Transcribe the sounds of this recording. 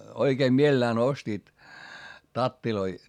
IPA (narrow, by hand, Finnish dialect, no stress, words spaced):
oikeːm mielelæːn ostiːt tɑtːiloi